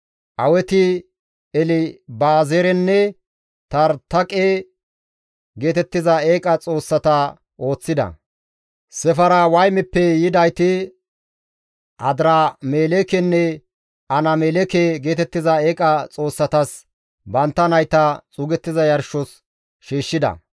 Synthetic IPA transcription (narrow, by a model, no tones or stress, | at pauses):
ʔɐwɛt̪ɪ | ɛlɪbaːzeɾɛnːɛ | t̪ɐɾt̪ɐkʼe | ɡe̞ːt̪ɛt̪ːɪzɐeːkʼɐt͡sʼo̞ːsːɐt̪ɐ | ʔo̞ːt͡sːɪd̪ɐ̰ | sɛfɐɾɐwɐjmɛpːɛjɪd̪ɐjt̪ɪ | ʔɐd̪ɾaːmeːlekɛnːɛ | ɐnɐmelɛkeɡeːt̪ɛt̪ːɪzɐeːkʼɐt͡sʼo̞ːsːɐt̪ɐs | bɐnt̪ːɐnɐjt̪ɐt͡sʼʊɡɛt̪ːɪzɐjɐɾʃɔs | ʃiːʃːɪd̪ɐ̰